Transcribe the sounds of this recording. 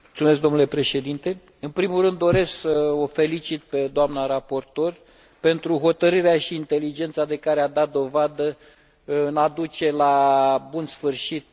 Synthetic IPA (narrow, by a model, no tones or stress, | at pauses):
mult̪sume̞s̬kɡd̪o̞mnule̞pɾe̞ʃe̞d̪int̪e̞ | ɨnpɾimulrɨnd̪ːo̞ɾe̞sksəofe̞lit͡ʃit̪̚pe̞d̪oamnaɾapo̞rt̪o̞r | pe̞nt̪ɾuɦo̞t̪əɾɨɾeaʃiːnt̪e̞lid͡ʒe̞nt̪sad̪e̞kaɾead̪at̪̚d̪o̞vad̪ə | ɨnad̪ut͡ʃe̞labunsfɨrʃit̪̚